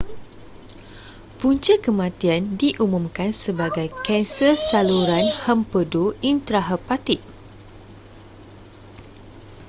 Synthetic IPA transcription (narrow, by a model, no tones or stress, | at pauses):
puɲt͡ʃəkəmãt̪iandiʔumũmkansəbaɡajkɛnsəsaluɾanhəmpədoint̪ɾaɦəpat̪iʔ̚